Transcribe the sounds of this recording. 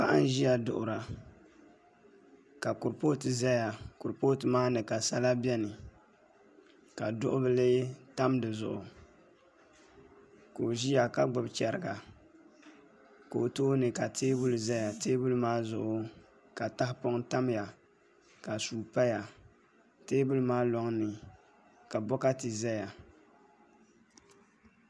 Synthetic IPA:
pa̰˦ʔa˦n˦ʒi˦ja˨dʊ˨ʔʊ˨ɾa˨ | ka˨kʊ˨ɾpoː˦tɨ˨za˦ja˨kʊ˨ɾpoː˦tɨ˨maː˦nɨ˨ka˨sa˦la˦bi˦ɛ˦nɨ˨ | ka˨dʊ˦ʔʊ˦bɨ˦lɨ˦ta˦mdɨ˨zʊ̰˨ʔʊ˨ | ko˨ʒi˦ja˨ka˦ɡ͡bʊ˦˨bt͡ʃɛ˨ɾɨ˨ɡa˨ | ko˨o˨toː˦nɨ˨ka˨teː˦bʊ˦lza˦ja˨teː˦bʊ˦lmaː˦zʊ˨ʔʊ˨ | ka˨ta˦hpo˦ŋta˦mja˨ | ka˨suː˨pa˦ja˨ | teː˦bʊ˦lɨ˦maː˦lɔ˦ŋnɨ˨ | ka˨bɔ˦ka˦tɨ˨za˦ja˨

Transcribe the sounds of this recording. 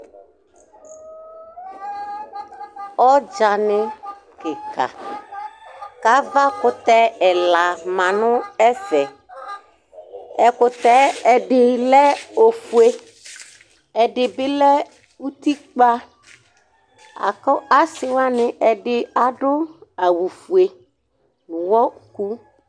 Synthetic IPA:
ɔ˦d͡ʒa˨nɪ˨ | kɪ˨ka̰˨ | ka˨˦va˦kʊ˨t̪ɛ˦ɛ˨la˨mã˨nʊ̃˦ɛ˦fɛ˨ | ɛ˨kʊ˨t̪ɛ˦ɛ˨ɖɪ˨lɛ˦o˨fu˨e˦ | ɛ˨ɖɪ˨bɪ˦lɛ˦ | wu˦t̪i˦k͡pa˦ | a̰˨kɔ˦a˦sɪ˨wa˦nɪ˨ʔɛ˨ɖɪ˦a˨ɖʊ˦a˨wu˨fu˨e˨ | wɔ˦ku˦

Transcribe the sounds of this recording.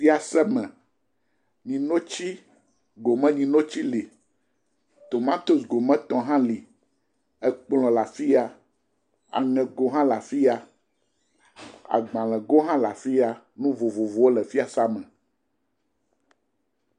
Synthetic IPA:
fi˦a˨sɛ˦mɛ̃˨ | ɲĩ˨no˦t͡ɕi˦ | ɡo˨mɛ̃˦ɲĩ˨nõ˦t͡ɕi˦li˨ | t̪o˨mã˦t̪o˨sɡo˨mɛ̃˦t̪ɔ̃˨ɦã˦li˨ | ɛ˦k͡plɔ̃˨la˨fi˦a˦ | a̰˨ŋɛ̃˨ɡo˦ɦã˦la˨fi˦a˦ | a̰˨ɡ͡bã˨lɛ̃˨ɡo˦ɦã˦la˨fi˦a˦ | nũ˦vo˨vo˨vo˨wo˦lɛ˨fi˦a˨sa˦mɛ̃˨

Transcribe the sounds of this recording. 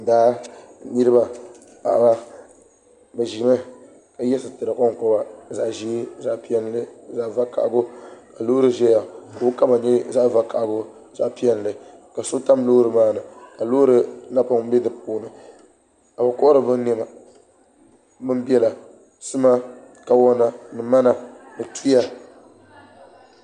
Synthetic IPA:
daː˦nɨ˦ɾɨ˦ba˨ | pa̰˨ba˦ | bɛ˨ʒi˨mɛ˦ | ka˨jɛ˦sɨ˨tɨ˨ɾɨ˨kɔ˦ŋ˨kɔ˦ba˨za˨ʔʒi˦za˦ʔpi˦ɛ˦nlɨ˦za˦˨va˦ka̰˨ʔɡo˦ka˨loː˦ɾɨ˨˦ʒɛ˦ja˨ka˨ʊ˦ka˦ma˨ɲɛ˦za˦ʔva˦ka˨ʔɡʊ˦ | za˦ʔpi˦ɛ˦n˨lɨ˨ | ka˨sʊ˦ta˦m˦loː˦ɾɨ˨maː˦nɨ˨ka˨lo˦ɾɨ˦na˦pa˦ŋ˦bɛ˦dɨ˨p̚uː˦nɨ˨ | ka˨ba˨kɔ˦ʔɾɨ˨bɨ˦nɛ˦ma˨ | mɨ˦m˦bi˦ɛ˦la˨ | sɨ˦ma˦ | ka˨wɔ˦na˦nɨ˨ma˦na˨nɨ˨tu˦ja˦

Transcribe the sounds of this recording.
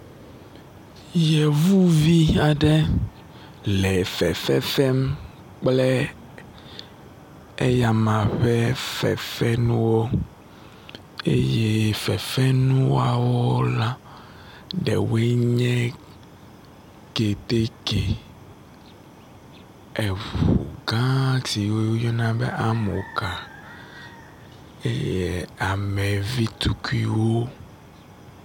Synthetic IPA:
jɛ˨vu˦vi˦a˨ɖɛ˦ | lɛ˨fɛ̰˨fɛ˦fɛ˦m | k͡plɛ˦ | e˦ja˨mã˨ɸɛ˦fɛ̰˨fɛ˦nũ˦wo˦ | ḛ˦je˦fɛ˨fɛ˦nũ˦wa˨wo˦la˦ | ɖɛ̰˨we˦ɲɛ̃˦ | ke˨t̪e˦ke˨ | ɛ˨vuṵ˨ɡã˦ti˨wo˦jo˦jɔ˦nã˦bɛ˦ʔa˦mo̰˨ka˨ | e˦je˦a˨mɛ̃˨vi˦t̪u˦ku˦i˦wo˦

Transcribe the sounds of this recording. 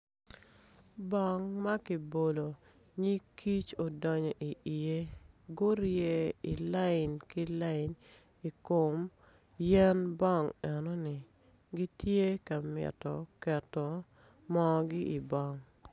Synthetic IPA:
bɔ˦ŋma˦kɪ˨bo˨lo˨ | ɲi˦kʰi˦t͡ʃo˨dɔ˨ɲɔ˨ʔi˨ʔi˨e˦ɡo˦ɾje˦ɪ˨la˦ɪ˨nkɪ˦la˦ɪ˨n | i˨ko˨m | jɛ˦nbɔ˦˨ŋɛ˨no˦nɪ˨ | ɡi˦tje˦ka˨mɪɛ̰˨tɔ˨kɛ˨tɔ˨ | mɔ˦ɡɪ˦ʔi˨bɔ˦˨ŋ

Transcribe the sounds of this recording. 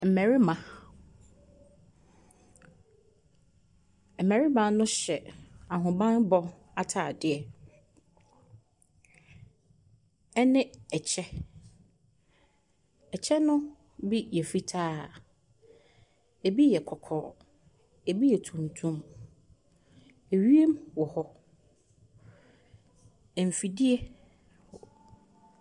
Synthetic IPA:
m̩˨mɛ̃˨ɾi˦mã˨ | m̩˨mɛ̃˨ɾi˦mã˨nʊ̃˦ɕɛ˨a˨ɦʊ̃˨bã˦nbɔ˦ | a˦tʰaː˨dɪ˨ɛ˨ | ɛ˦nɪ̃˦ɛ˨t͡ɕʰɛ˦ | ɛ˨t͡ɕʰɛ˦nʊ̃˦ | bi˦jɛ˨fi˦tʰaː˦ | e˨bi˦jɛ˨kʰɔ˨kʰɔ̰ː˨˦ | ɛ˨bi˦jɛ˨tʰũ˨ntʰũ˦m | e˨ɥi˦e˦mwɔ˨hɔ˦ | ɛ˨m̩˨fi˨di˦ɛ˦˨

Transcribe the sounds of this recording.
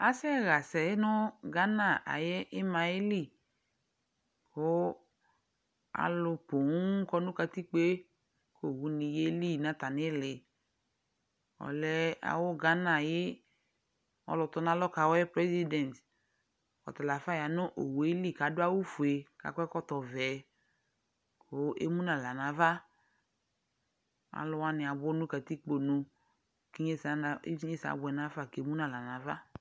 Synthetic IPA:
a˨sɛ˦ɣa˨sɛ˨˦nʊ˦ɡa˦na˦˨a̰˨je˦ʔɪ˦ma˧e˦li˦˨ | kʊ˦ | a̰˨lʊ˧po˨˦kɔ˧nʊ̃˦ka˧ti˦k͡pe˦ | ko˦˨wu˨˦nĩ˧je˦li˦˨nã˨˦ta˨nɪ˦lɪ˨ | ɔ̰˨lɛ˧a̰˨wʊ˦ɡa˦nã˦˨jɪ˦ | ɔ̰˨lɔ˨tɔ˦na˦lɔ˦ka˨wɔ˦ɛ˦pɾɛ˦zi˦dɛ˨nt | kɔ̰˨ta˨la˨fa˦˨ja˨nʊ˦ʔo̰˨we˨˦li˦˨ka˨˦dʊ˦a˦wu˦fu˨e˨ka̰˨kʷɛ˦kɔ˦tɔ˨vɛ˨ | ko˨˦ʔḛ˦mu˦na˨la˨na˨˦va˦ | a̰˨lʊ˧wa˦nɪ˨a˨bɔ˦nʊ˦ka˨ti˦k͡po˨nu˧ | ki˦ɲe˦sɲe˦sa̰˨˦bʊ˨ɛ˨na˦fa˦˨ke˨˦mu˦na˨la˨na˨va˦

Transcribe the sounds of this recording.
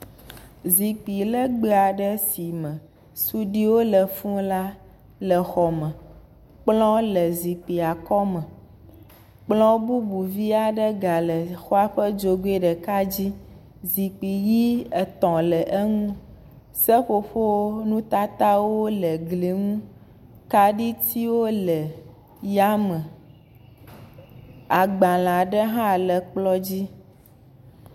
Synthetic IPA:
zi˨k͡pi˨lə˦ɡ͡be˦˨a˨ɖə˦si˨mə̃˨ | su˦ɖi˦wo˦lə˨fũ˦la˦ | lə˨xɔ˨mə̃˨ | k͡plɔ̃˦lə˨zi˨k͡pi˨a˨kɔ˦mə̃˨ | k͡plɔ̃˦bu˦bu˨vi˦a˨ɖə˦ɡa˨lə˨xo˦a˦ɸə˦d͡ʒo˨ɡe˦ɖə˨ka˦d͡ʑi˦ | zi˨k͡pi˨ji˦ɛ˨t̪ɔ̃˨lɛ˨ʔɛ˦ŋũ˦ | sɛ˦ɸo˦ɸo˦o˦nũ˦t̪a˦t̪a˦wo˦lɛ˨ɡle˨ŋũ˦ | ka˦ɖi˦t̪i˦wo˦lɛ˨ | ja˦mɛ̃˨ | a˨ɡ͡bã˨l̃ã˨ɖə˦ɦã˦˨lɛ˨k͡plɔ˦d͡ʑi˦

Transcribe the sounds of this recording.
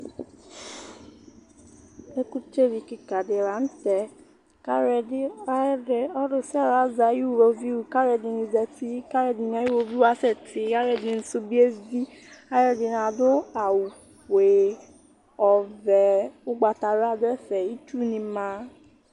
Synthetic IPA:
e˦ku˦t͡ʃe˦ɾi˨kɪ˨ka˨dɪ˨ɾa˨˦n̩˦tɛ˨ | ka˦ɾɛ˨dɪ˦a˦de˨ɔ˦dʊ˨sɛ˦˨ɾa˨˦za˨ju˦˨wo˧vi˦wu˨ka˦ɾɛ˨dɪ˨nĩ˧zɛ˨ti˦ka˦ɾɛ˨dɪ˨n˦a˨˦ju˦o˨vi˦wa˦sɛ˦˨tɪ˨ka˦ɾɛ˨dɪ˨n̩˨su˦bi˦e˦vi˦a˦ɾɛ˦dɪ˨n˨a˨dʊ˦a˨wu˨ | ke˨ | ɔ˨vɛ˨ʊ˦ɡ͡ba˨ta˨ɾa˨dʊ˦ɛ˦fɛ˨i˦t͡ʃu˦nĩ˧mã˨˦

